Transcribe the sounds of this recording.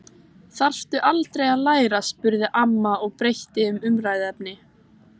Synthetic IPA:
θar̥ft̪ʏʔalt̪ɾejaðlaːjɾaspʏɾðɪʔamːaɔɣpɾejht̪ɪʏmʏmɾaːjðɛp̚nɪ

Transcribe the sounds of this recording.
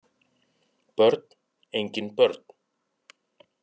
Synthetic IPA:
pœɾt̪̚n | ejɲcɪnpœɾt̪n̥

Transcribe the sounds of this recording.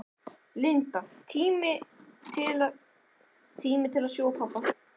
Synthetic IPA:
lɪnt̪at̪ʰiːmɪt̪ʰɪla | t̪ʰiːmɪt̪ʰɪlaðsjoːwpʰawpːa

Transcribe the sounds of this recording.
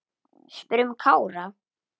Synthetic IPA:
spɾʏmkʰaːwɾa

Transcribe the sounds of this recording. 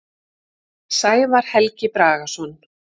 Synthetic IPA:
saːjvaɾ̥hɛlcɪpɾaːɣasɔn

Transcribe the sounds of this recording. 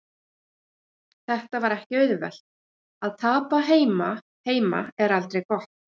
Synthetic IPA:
θɛht̪avaɾɛhcɪœɥðvɛ̰l̥t̪̚ | aðt̪ʰaːpaɦeːjma | heːjma̰ɛɾalt̪ɾejkɔht̪

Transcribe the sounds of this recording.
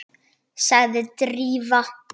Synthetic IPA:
saɣðɪt̪ɾiːva

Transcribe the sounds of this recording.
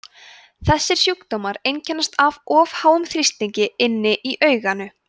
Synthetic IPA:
θɛsːɪɾ̥sjukt̪owmaɾejncʰɛnːast̪avɔːvhaːwʏmθɾist̪liɲcɪɪnːɪʔiʔœːɥɣanʏ

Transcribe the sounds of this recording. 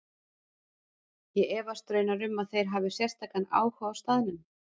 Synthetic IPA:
jɛɛːvast̪ɾœːjnaɾʏmːaðθejɾ̥ɦaːvɪsjɛst̪ʰaːkana̰ːwhaːwst̪aːðnʏm

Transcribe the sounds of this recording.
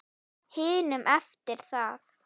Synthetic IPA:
hɪːnʏmʔɛft̪ɪɾ̥θað

